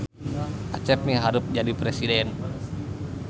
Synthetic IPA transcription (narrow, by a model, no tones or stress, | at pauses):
ʔat͡ʃɛp̚niɦaɾʊp̚d͡ʒadipɾesidɛn